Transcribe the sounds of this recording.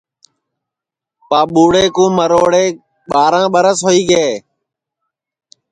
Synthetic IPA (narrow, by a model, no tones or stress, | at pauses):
paːɓuːɽeːkũːməɾoːɽeː | ɓaːɾãːɓəɾəsɦoːiːɡeː